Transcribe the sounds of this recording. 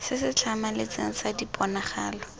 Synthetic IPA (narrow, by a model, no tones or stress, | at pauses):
sɪsɪt͡ɬʰamalɪt͡seŋ̩sadipʼɔnaχaːlɔ